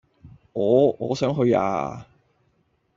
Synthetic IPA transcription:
ŋɔː˨˧ŋɔː˨˧sœː˨˥ŋɦɵ˧ɥa̰ː˧

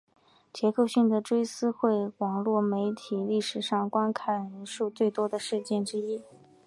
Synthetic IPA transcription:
t͡ɕjɛ˧˥ko˥˧ʊɕi˥˩ŋd̪ə˩ʈ͡ʂwe˥ɪsɹ̩˥xwe˥˩ɪwɑ˨˩ŋlwɔ˥˩me˧˥ɪt̪ʰi˨˩li˥˩ʂɻ̩˨˩ʂɑ˥˩ŋkwa˥nkʰa˥˩ɪɻə˧˥nʂu˥˧t͡swe˥˩ɪt̪wɔ˥d̪ə˨ʂɻ̩˥˧t͡ɕjɛ˥˩nʈ͡ʂɻ̩˥i˥

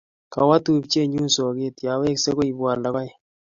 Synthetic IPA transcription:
ka˨wa˦tu˨p̚t͡ʃe˦ɲu˦nsɔ˨ke˦t̪ja˨we˦kse˦ko˦i˨bwa˨ɾla˨ka˦

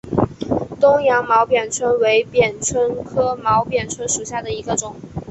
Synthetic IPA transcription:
t̪ʊ˥ŋjɑ˧˥ŋmɑ˧˥ʊpjɛ˨˩nt͡sʰwə˥nwe˧˥ɪpjɛ˨˩nt͡sʰwə˥nkʰɤ˥mɑ˧˥ʊpjɛ˨˩nt͡sʰwə˥nʂu˨˩ɕja˥˩d̪ə˩i˧˥ɡə˧ʈ͡ʂʊ˨˩˦ŋ

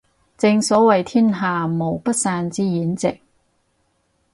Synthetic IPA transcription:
t͡sɪ˧ŋsɔː˨˥wɐ˨jt̪ʰiː˥nɦaː˨˩mo˨˩wpɐ˥t̚saː˧nt͡siː˥jiː˨˥nt͡sɪ˨k̚

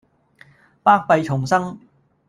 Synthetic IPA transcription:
paː˥k̚pɐ˨˧jt͡ʃʰʊ˨˩ŋsɐ˥ŋ

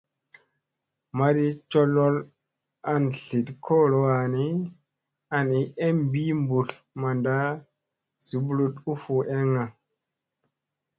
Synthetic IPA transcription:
ma˨di˦t͡ʃo˦lo˦l | a˨nɬi˨tkʰo˦˨lo˦wa˨ni˦ | a˨ni˨˦ʔe˦mbi˦mbu˨l | ma˨nda˦ | z̥u˨blu˦tu˦fu˨ʔe˦ŋa˨

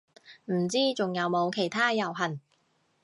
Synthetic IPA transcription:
m̩˨˩t͡siː˥t͡sʊ˨ŋjɐ˨˧wmo˨˧wkʰe˨˩jt̪ʰaː˥jɐ˨˩wɦɐ˨˩n

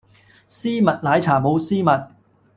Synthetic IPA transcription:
siː˥mɐ˨t̚laː˨˧˥jt͡sʰaː˨˩mo˨˧wsiː˥mɐ˨t̚

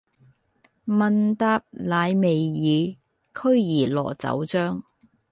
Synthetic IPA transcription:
mɐ˨˧nt̪aː˧p̚laː˨˧jme˨jːiː˨˧ | kʰɵ˥ɥjiː˨˩lɔ̰ː˨˩t͡sɐ̰˨˥wt͡sœː˥ŋ

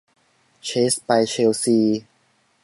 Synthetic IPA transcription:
t͡ɕʰe˦˥spa˧jt͡ɕʰe˧wsiː˧

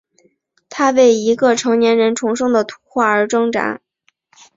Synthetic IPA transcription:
t̪ʰa˥we˥˩ɪi˧˥ɡə˧ʈ͡ʂʰɤ˧˥ŋnjɛ˧˥nɻə˧˥nʈ͡ʂʰʊ˧˥ŋʂɤ˥ŋd̪ə˨t̪ʰu̥˧˥xwa˥˩ə˞˧˥ʈ͡ʂɤ˥ŋʈ͡ʂa̰˧˥

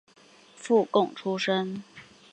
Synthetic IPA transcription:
fu˥˧kʊ˥˩ŋʈ͡ʂʰu˥ʂə˥ŋ

